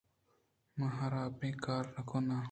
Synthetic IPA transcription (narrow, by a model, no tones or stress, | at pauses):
mɐɦɐɾaːpẽːkaːɾnɐkona